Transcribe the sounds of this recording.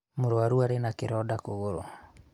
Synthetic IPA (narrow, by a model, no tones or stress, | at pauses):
moɾoaɾuaɾenakeɾɔdakoɣoɾo̰